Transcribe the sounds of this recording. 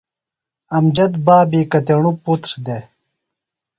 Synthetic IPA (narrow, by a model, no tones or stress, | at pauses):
ɐmd͡ʑɐt̪baːbiːkɐt̪eɳuput̪ɾd̪e